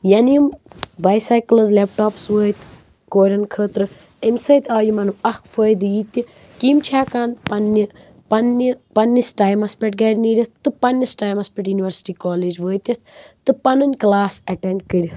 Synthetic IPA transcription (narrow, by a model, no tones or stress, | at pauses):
jɐniimbaːjsaːjklɐzlep̚ʈaːpsʋəːjt̪ | koːɾʲɐnkʰəːt̪ɾɨ | ɐmsɐjt̪aːjimɐnɨmɐkʰfəːjd̪ɨjit̪i | kiːmt͡ʃʰaːkaːnpɐnːi | pɐnːipɐnːisʈaːjmɐspʲeʈ̚ɡɐːɾʲniːɾʲit̪ʰt̪ɨpɐnʲːɐsʈaːjmɐspʲeʈjuniʋɐɾsi̥ʈiːkoːleːd͡ʒʋəːjt̪ʲit̪t̪ɨpɐnɨnʲklaːsɐʈeɳɖkəɾʲit̪